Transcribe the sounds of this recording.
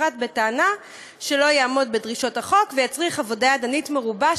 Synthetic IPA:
atbe̞taːna | ʃe̞lo̞jaːmo̞d̚bedʁiʃo̞taχo̞kvejat͡sʁiχavo̞daadanitme̞ʁuba

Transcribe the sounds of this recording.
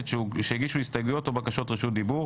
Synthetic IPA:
t̪ʃʃeeɡiʃuist̪aɡluot̪obakaʃo̞t̪ʁiʃut̚d̪ibu

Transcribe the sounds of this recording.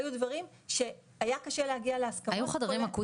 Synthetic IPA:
jud̪vaʁim | ʃe̞ | ajakaʃe̞lehaɡialeaskaajuχad̪ʁimaku

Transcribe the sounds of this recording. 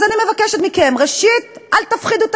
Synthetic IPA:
zanimevakeʃet̪mikemʁeʃit̪alt̪afχid̪ut

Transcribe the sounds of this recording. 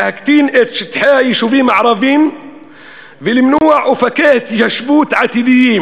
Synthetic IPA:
hækt̪iːnʔet̪ʃt̪ħaːjiʃuviːmaʕɾˤɑviːm | vɪlmnuːʕwfækæːht̪ʒæʃbuːt̪ʕat̪id̪ɪjiːm

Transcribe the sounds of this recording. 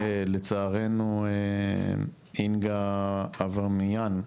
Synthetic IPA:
elet͡saːʁenue | inɡaː | vaʁmijan

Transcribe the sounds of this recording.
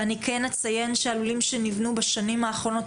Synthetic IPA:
anikʰenet͡saje̞nʃealulimʃenivnubaʃanimaːχʁo̞no̞t

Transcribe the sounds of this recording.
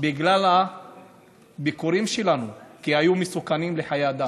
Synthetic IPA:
biɡlala | bikuɾimʃelanukiajumesukanimleħajead̪a

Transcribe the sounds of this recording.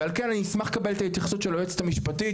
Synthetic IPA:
alke̞naniismaχe̥kabe̞let̪ait̪jaχsut̪ʃelojet͡se̥t̪amiʃpati

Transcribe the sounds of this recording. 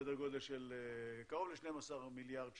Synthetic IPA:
d̪eʁɡo̞d̪elʃelekaʁovleʃnemasaʁmiljaʁd̪ʃ

